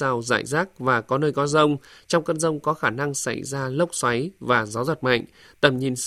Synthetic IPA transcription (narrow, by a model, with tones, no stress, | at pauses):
aː˧wza̰ː˧˨jzaː˦˥k̚vaː˨˩kɔ˨˦nəː˧jkɔ˨˦zə˧wŋ͡mt͡ɕɔ˧wŋ͡mkə˧nzə˧wŋ͡mkɔ˨˦xaː˧˩na˧ŋsa̰˧˩jzaː˧lə˦˥wk͡p̚swa˨˦jvaː˨˩zaː˨˦wzə˨˩t̚ma̰˧˨jŋ̟ | t̪ə˨˩mɲi˨˩ns